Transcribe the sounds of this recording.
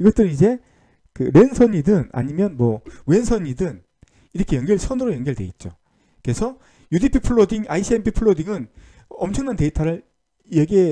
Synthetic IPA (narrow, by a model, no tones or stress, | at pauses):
iɡʌt͈ɯɾɯnid͡ʑe̞ | kɯɾe̞nsʰʌɲidɯna̰ɲimjʌnmwʌwe̞nsʰʌɲidɯn | iɾʌkʰe̞jʌŋɡʌɭsʰʌnɯɾojʌŋɡjʌɭdwe̞it̚t͡ɕ͈o̰ | ke̞sʰʌ | judipʰipʰuɭːodiŋaisʰiempʰipʰɯɭːodiŋɯn | ʌmt͡ɕʰʌŋnante̞itʰaɾɯɭ | jeɡe